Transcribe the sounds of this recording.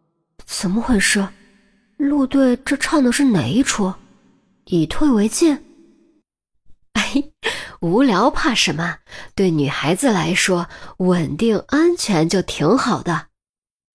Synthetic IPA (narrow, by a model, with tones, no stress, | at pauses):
t͡s̩˨˩mə˧xwe˥˩ɪʂɻ̩˥˩ | lu˥˧t̪we˥˧ɪʈ͡ʂɤ˥˧ʈ͡ʂʰɑ˥˧ŋd̪ə˧ʂɻ̩˥˩ne˨˩ɪi˥ʈ͡ʂʰu˥˩ | i˨˩t̪ʰwe˥˩ɪwe˧˥ɪt͡ɕjɛ˥˩ | e˥˩ɪu˧˥ljɑ˧˥ʊpʰa˥˩ʂə˧˥mə˧t̪we˥˩ɪny˨˩xa˧˥ɪd͡zɹ̩˧la˧˥ɪʂwɔ˥wə˨˩nt̪i˥˩ŋa˥nt͡ɕʰɥɛ˧˥nt͡ɕjo˥˩ʊt̪ʰi˧˥ŋxɑ˨˩ʊd̪ə˦